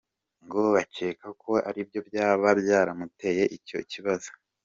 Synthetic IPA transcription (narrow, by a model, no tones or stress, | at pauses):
ŋɡoβace̞ːkakʰo̞a̰ɾib̚jo̞bjaːβabɟaːɾamute̞je̞ʔico̞̰ciβazo̥